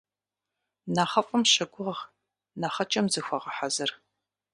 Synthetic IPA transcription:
naːχɐfʼɐmɕɐɡʷʊʁʁ | naːχɐt͡ʃʼɐmzɨxʷɐʁɐħazɨr

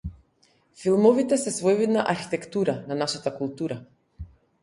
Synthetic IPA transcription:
filˠmɔvit̪ɛsɛsvɔjvid̪naʔaɾxi̥t̪ɛkt̪uɾananaʃat̪akulˠt̪uɾa

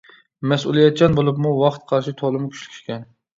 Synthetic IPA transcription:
mɛsulˠijɛt̪̚t͡ʃʰɛnbolˠupmuwɑχt̪qʰɑɾʃit̪ʰolˠɨmkʲʰy̥t͡ʃlɪ̥kʲʰi̥ʃkʲɛn

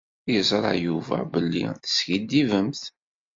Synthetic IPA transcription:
jəzˤɾˤɑ̰juvæ̰bəlːḭθə̥sçid̪ivəmθ

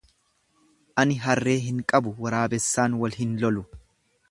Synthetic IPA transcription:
ʔɐnɪɦɐrːe̞ːɦɪŋkʼɐbʊwɐɾaːbɛsːaːnwɐlhɪnlɔlʊ

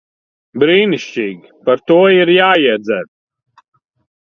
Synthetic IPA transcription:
bɾiːniʃt͡ʃiːɡʲipaɾt̪uɔiɾjaːiɛd̪zɛɾ

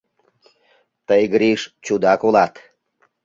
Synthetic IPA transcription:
t̪əjɡɾiʃt͡ɕud̪ɑkolɑt̪

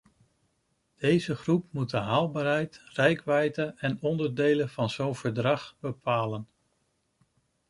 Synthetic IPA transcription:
d̥ejzəχrupmut̚dəɦaːlˠbaːɹɦɛjtrɛjkʋɛjdəɛnɔndəɹdejlənv̥ɑnz̥onv̥əɹdrɑχbəpʰaːlən

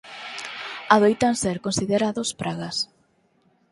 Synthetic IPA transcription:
aðojt̪anseɾkonsiðeɾaðospɾaɣɐs

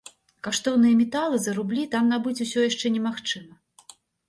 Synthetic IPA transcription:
kaʂt̪ɔwnɨjɐmʲɛt̪alˠɨzɐɾublʲit̪amnabɨt͡sʲusʲɔjaʂt͡ʂɛnʲɛmaxt͡ʂɨmɐ

